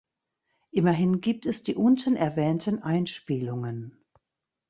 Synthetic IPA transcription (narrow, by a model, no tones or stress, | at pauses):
ʔɪmɐɦɪnɡiːp̚tɛsd̥iːʔʊntənɛɐvɛːntənʔaɪnʃpiːlʊŋən